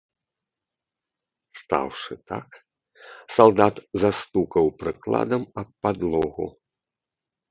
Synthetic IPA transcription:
st̪a̰wʂɨt̪a̰k | salˠd̪at̪zast̪ukɐwpɾɨklˠa̰d̪ɐmɐppːad̪lˠɔɣṵ

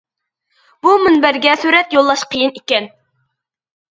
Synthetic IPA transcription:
b̥umɨnbæɾɡʲɛsyɾɛt̪jolˠːɑʃqʰəjɨnikʲɛn

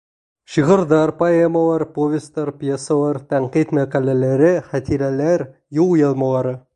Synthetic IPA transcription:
ʃiʁəɾd̪ɑɾpoemɑlˠɑɾpovʲest̪ɑɾpjesalˠɑɾt̪ʰæɴqijt̪mæqɑlʲeleɾɪχɑt̪ʰiɾælæɾ | jujelˠmɑlˠɑɾə

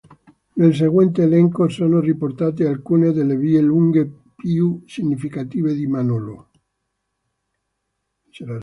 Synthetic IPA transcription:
nels̬eɣwɛnt̪eːlɛŋkosoːnoripoɾt̪at̪ealkuneðelːevieluŋɡe | pjusiɲːifikat̪iːβed̪imanolo | t͡ʃeɾa

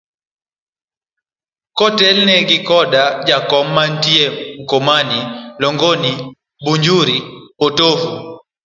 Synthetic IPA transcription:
kɔtɛlnɛɡikɔdad͡ʒakɔm̩man̩tiɛŋ̩kɔmanilɔŋɡɔni | buɲd͡ʒuɾipɔtovu

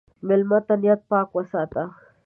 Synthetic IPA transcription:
mɪlmat̪anjat̪̚paːkwasat̪ɑχ

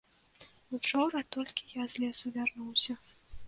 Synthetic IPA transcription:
ut͡ʂɔɾɐt̪ɔlʲkʲi̥jazlʲɛsuvʲarnuwsʲɐ

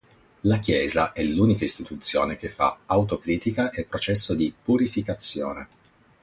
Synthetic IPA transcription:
lak̟jɛːzaʔɛluːnikaist̪it̪ut̪sːjoːnek̟efːa̰awt̪okɾiːt̪ikaʔepːɾot͡ʃɛsːod̪ipuɾifikat̪sːjoːnḛ

